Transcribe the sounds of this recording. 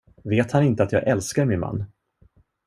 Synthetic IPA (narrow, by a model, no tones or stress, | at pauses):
veːt̪hanɪnt̪əat̪jɑːɡʔɛlskaɾmɪnma̰nː